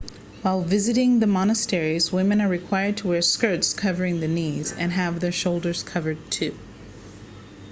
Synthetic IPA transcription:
waɪlˠvɪzɨɾɪ̃ŋðəmɑnɨstɛɹizwɪ̃mɨ̃nə˞ɹɨkʰw̥aɪə˞d̚tʰəwɛɹskɜ˞tskʰʌvə˞ɪ̃ŋðɨnizɨ̰̃nɨvðə˞ʃoʊlˠdə˞z̥kʰʌvə˞d̚tʰʉ

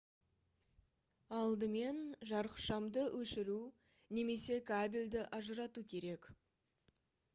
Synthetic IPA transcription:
ɑlˠd̪əme̞nʒɑɾəqʃɑmd̪əwʔɵʃɪɾu | ne̞me̞se̞kʰabʲilʲd̪ɪʔɑʒəɾɑt̪ukʲʰe̞ɾe̞k

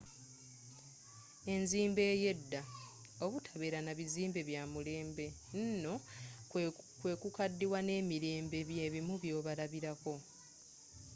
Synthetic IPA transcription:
e̞nziːmbe̞ːje̞dːa | oβutʰḁβeɾanaβiziːmbe̞βjaːmule̞ːmbe̞ | nno̞ | kwe̞ːkukadːiwane̞ːmiɾe̞ːmbe̞βjeβimuβjo̞ːβalaβiɾako̞

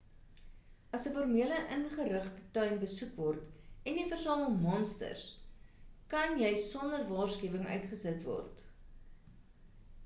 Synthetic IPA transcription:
ɐsəfɔrmiələʔənχəɾəχtətœɥnbəsukvɔrtɛndifərsɑːməlˠmɔnstə̰rs | kɐnjɛjsɔndərvɑːrskiəvəŋœ̰ɥtχəsətvɔ̰rt

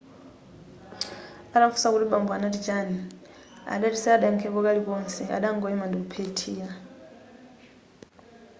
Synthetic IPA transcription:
aɗafu̥sakuliɓambwanatid͡ʒani | a̰ɗatisɛaɗaŋkʰɛkɔkaɾikɔnt͡sʰɛʔa̰ɗaŋɡɔɛmandikupʰetʰiːa

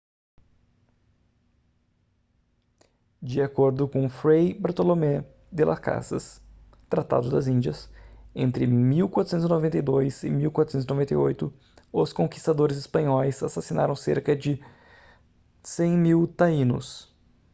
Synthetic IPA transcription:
d͡ʒɪakoɾd̪ʊkõfɾejbaɾt̪olomɛ | d̪ela̰ka̰sɐs | t̪ɾat̪a̰d̪ʊd̪ɐzĩnd͡ʒɐsẽnt̪ɾɪmiwkwat̪ɾʊsẽt̪ʊzinovẽnt̪ɐjd̪ojzɪmiwkwat̪ɾsẽt̪ʊzinovẽnt̪ɐjojt̪ʊ | ʊskõki̥st̪ad̪oɾɪzɪspɐ̃ɲɔjsasasina̰ɾɐ̃w̃sḛɾkɐd͡ʒɪ | sẽj̃miwt̪aĩnʊ̰s

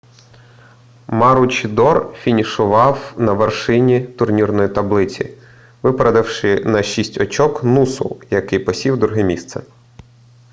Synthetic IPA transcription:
mɑɾʊt͡ʃd̪ɔrfʲinʲiʃʊʋɑwnɐʋerʃɪnʲit̪ʊrnʲirnɔjit̪ɐblˠɪt͡sʲḭ | ʋɪpɾɐd̪ɪwʃɪnɐʃisʲtʲɔt͡ʃɔknusʊ̰jɐkɪjpɔsʲiwd̪ɾʊɦɪmʲist̪sɛ̰

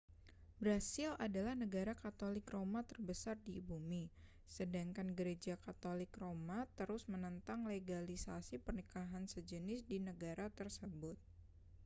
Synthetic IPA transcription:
bɾasɪlʔadalahnəɡaɾakat̪olɪkromat̪ərbəsardibumi | sədaŋkanɡəɾed͡ʒakat̪olɪkromat̪əɾʊsmənənt̪aŋleɡalisasipərnikaɦansəd͡ʒənɪsdinəɡaɾat̪ərsəbʊt̪̚

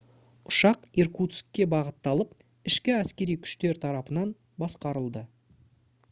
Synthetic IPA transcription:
ʊʃɑqeɾkut̪skʲːe̞bɑʁət̪ːɑlˠəp̚ | ɪʃkʲɪæskʲe̞ɾijkʲʰʏ̥ʃt̪e̞ɾt̪ʰɑɾɑpənɑn | bɑsqɑɾəlˠd̪ə

